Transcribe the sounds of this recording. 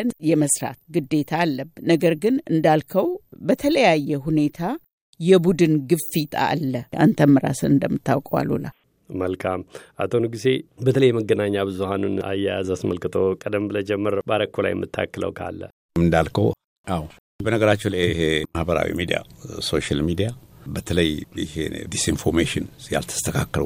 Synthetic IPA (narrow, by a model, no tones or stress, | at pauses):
njɛməsɾa̰t̪ɡɨd̪ːe̞t̪ʰaːlːəbnəɡəɾɡɨnɨnd̪alkʰəwbət̪ʰələjajːɛɦune̞t̪ʰa | jɛbud̪ɨnɡɨfːit̪ʼʰa̰ʔːlːəʔa̰nt̪ʰəmːɨɾa̰sɨnɨnd̪əmːɨt̪ʰːawkʼəwa̰lṵla̰ | məlkʰamʔat̪ʰonɨɡise̞bət̪ʰələjːɛməɡːənaɲːabɨzuhanuna̰jːajazasməlkɨt̪ʰokʼəd̪əmbɨləd͡ʒɛmːəɾbaɾəkʰːola̰jmːɨt̪ʰːa̰kːələ̰wkʰa̰lːə̰ | mɨnd̪alkʰə | ʔaw | bənəɡəɾat͡ʃːɛlehemahbəɾa̰wḭmid̪ija̰so̞ʃalmid̪ijabət̪ʰələjɪ̰hḛd̪isinfoɾmeʃɪnja̰lt̪ʰə̥st̪ʰəkʰakːəl